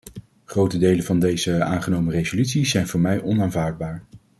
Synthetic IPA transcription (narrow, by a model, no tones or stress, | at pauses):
χrowtədejləvɑndejzəa̰ːnχənowmərejzolytsiz̥ɛjnvʊːɹmɛjʔɔnaːnvaːɹd̚baːɹ